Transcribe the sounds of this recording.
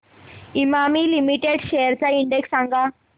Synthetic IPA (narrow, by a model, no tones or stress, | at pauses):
imaːmiːlimiʈeɖʃeːjɐɾt͡ʃaiɳɖeksɐŋɡʱa